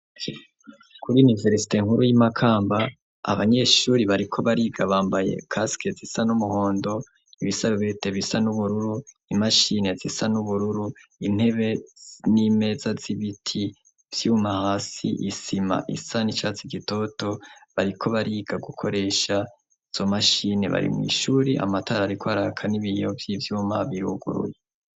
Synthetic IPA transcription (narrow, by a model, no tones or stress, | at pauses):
kʰuɾiunive̞ɾsi̥te̞ŋ̥huɾujimakʰaːmba | a̰βaɲe̞ʃuːɾiβaɾikʰo̞βaɾiːɡaβaːmbaje̞̰kʰaskezisanumuho̞ːndo̞ | iβisaββete̞βisanuβuɾuɾu | imaʃine̞zisanuβuɾuɾuin̥he̞βe̞nime̞zaziβitʰi | v̥jumahasḭʔisima̰ʔḭsanit͡ʃat͡siɡito̞to̞βaɾikʰo̞βaɾiːɡaɡukʰo̞ɾe̞ʃa | iz̥o̞maʃine̞̰βa̰ɾḭmwḭʃuːɾeʔa̰mataɾaːɾikoaɾakʰaniβijovjivjuːmaβiɾuɡṵɾṵje